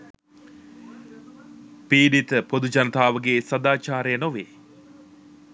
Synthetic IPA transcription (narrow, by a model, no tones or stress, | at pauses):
piːɖit̪əpod̪ud͡ʒɐnət̪aːʋəɡeːsɐd̪aːt͡ʃaːɾəjənoʋeː